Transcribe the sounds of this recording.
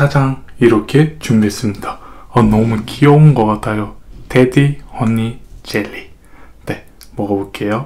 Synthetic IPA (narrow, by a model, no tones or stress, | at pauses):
sʰad͡ʑaŋiɾʌkʰe̞t͡ɕumies͈ɯmɲid̥aʌnomukʰiʌunɡʌk͈atʰajotedihwʌnːit͡ɕeʎːi | ne̞ | mwʌɡabok͈e̞jo